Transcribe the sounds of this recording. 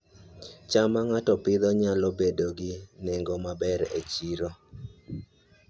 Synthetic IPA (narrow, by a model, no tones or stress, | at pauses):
t͡ʃamaŋatɔpɪd̪ɔɲalɔbedoɡɪneŋɡɔmabɛɾet͡ʃiɾo